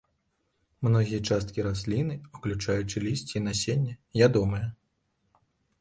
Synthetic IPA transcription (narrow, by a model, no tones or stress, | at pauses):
mnɔɣʲijɐt͡ʂast̪̚kʲiɾasʲlʲinɨuklʲut͡ʂajut͡ʂɨlʲisʲt͡sʲiːnasʲenʲːɛjʲad̪ɔmɨjɛ